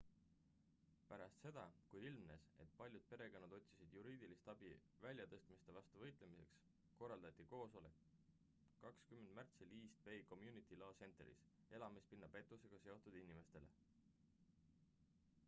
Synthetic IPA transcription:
pæɾɑst̪se̞d̪̥ɑkujilmnese̞t̪̚pɑlʲjud̪̥̚pe̞ɾe̞ɡ̥ɑnːud̪o̞t̪ʲsisid̪̥juɾiːd̪̥ilist̪ɑb̥i | vælʲjɑt̪ɤst̪mist̪evɑst̪uvɤjt̪lemise̞̰ks | ko̞rːɑld̪̥ɑt̪ʲːˑiko̞ːso̞le̞kː | ɑkskymːend̪̥mært̪siliːst̪ve̞jko̞mjunit̪ˑilɑːse̞nt̪ˑeɾḭs | e̞lɑmispinːɑpe̞t̪ːˑuse̞ɡ̥ɑse̞o̞t̪ud̪inime̞st̪e̞̰le̞̰

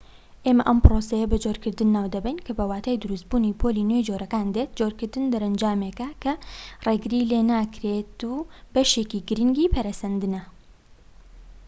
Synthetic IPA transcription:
ʔeːmɐʔɐmpɾosɐjɐbɐd͡ʒoːɾkɨɾd̪ɨnːaːwd̪ɐbɛjnkʰɐbɐwaːt̪ʰaːjd̪uɾus̚buːnipʰolinwejd͡ʒoːɾɐkaːnd̪eːt̪̚d͡ʒoːɾkɨɾd̪ɨnd̪ɐɾɐnd͡ʒaːmekɐkʰɐreːɡɾileːnaːkɾet̪uːbɐʃeːkiɡɨɾɨŋɡiːpʰɐɾɐsɐnd̪ɨnɐ

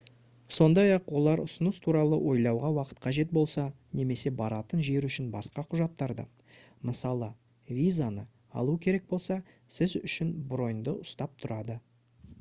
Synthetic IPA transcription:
so̞nd̪ɑjɑqwo̞lˠɑɾʊsənəst̪ʰuɾɑlˠəwʔo̞jlˠɑwʁɑwɑqə̥t̪̚qʰɑʒe̞t̪̚bo̞lˠsɑ | ne̞me̞se̞bɑɾɑt̪ənʒe̞ɾʏʃɪnbɑsqɑqʰʊʒɑt̪ːɑɾd̪ə̰ | məsɑlˠə | vʲijzanə | ɑ̰lˠukʲʰeɾe̞k̚bo̞lˠsɑ | sɪzʏʃɪnbɾo̞jnd̪əʔʊst̪ɑp̚t̪ʰʊɾɑd̪ə

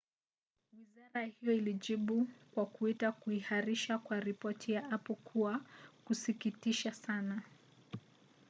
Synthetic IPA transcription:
wizaɾahijɔiliʄiɓukwakuitakuihaɾiʃakwaɾipɔtʰijaʔapɔkʰuakusikitiʃasana

